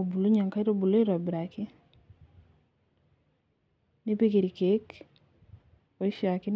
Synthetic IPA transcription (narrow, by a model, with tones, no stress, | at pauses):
o˨bu˨lo˦ɲɔ˨ŋka˦i˦ɾo˦bu˨lo˦i˦ɾɔ˨bɾa˨kɪ˦ | nɪ˦pe˦ke˨ɾi˨ke˨˦k | o˨i˦ʃa˨kɪ˦n